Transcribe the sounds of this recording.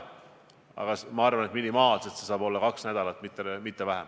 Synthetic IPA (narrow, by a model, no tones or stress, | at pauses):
ɑ̰ɡ̥ɑsmɑɑrvɑnet̪minimɑːlset̪sesɑːbo̞lːɑkɑksnæd̪̥ɑlɑt̪ːˑmit̪ːˑemit̪ːe̞væɦem